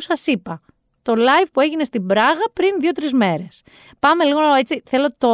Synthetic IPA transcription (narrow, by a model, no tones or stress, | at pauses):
sɐsipɐ | t̪o̞lɐjvpue̞ʝine̞st̪ibɾɐɣɐpɾinðio̞t̪ɾizme̞ɾe̞s | pɐme̞liɣo̞nɐoe̞t͡siθe̞lo̞t̪o